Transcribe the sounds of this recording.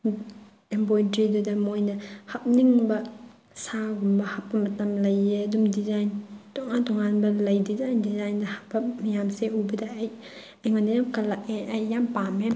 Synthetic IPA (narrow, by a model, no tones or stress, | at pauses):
embojdɾidudɐmojnɐhɐp̚niŋbɐ | saɡumbɐhapʰːɐmɐtɐmlɐjedumdizajntɔŋantɔŋanbɐlɐjdizajndizajndɐhapʰːɐmɐjamseʔubɐdaːj | ɐjŋonidamkɐlak̚eʔajːampame